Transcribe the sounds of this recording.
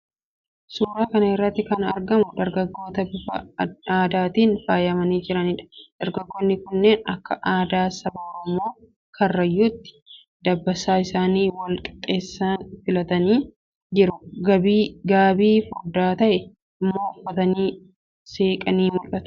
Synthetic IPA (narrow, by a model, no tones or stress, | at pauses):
suːɾaːkɐnɐɪrːɐt̪ːɪkɐnɐ̰ɾɡɐmʊd̪ɐɾɡɐɡːo̞ːt̪ɐbɪfɐaːd̪aːt̪iːnfaːjɐmɐniːd͡ʒɪɾɐniːᶑɐ̥d̪̥ɐɾɡɐɡːoːnːɪkʊnːeːnɐkːɐʔaːd̪aːsɐbɐɔɾɔmo̞ː | kʰɐrːɐjuːt̪ːɪ̥ | d̪̥ɐbːɐsaːɪsaːniːwɐlkʼɐ̥t̪ʼeːsːaːnfɪlɐt̪ɐniː | d͡ʒɪɾʊɡɐbiːɡaːbiːfʊɾd̪aːt̪ɐʔɛ | ɪmːo̞ːʊfɐt̪ɐniː | seːkʼɐniːmʊlɐt̪ʊ̥